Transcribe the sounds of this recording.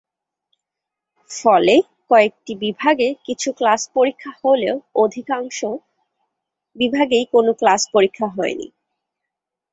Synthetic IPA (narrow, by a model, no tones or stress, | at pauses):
fɔle | kɔek̚ʈibibʱaɡekit͡ɕʰuklaspoɾikʰːaholeood̪ʱikaŋʃo | bibʱaɡejkonoklaspoɾikʰːaɦɔenḭ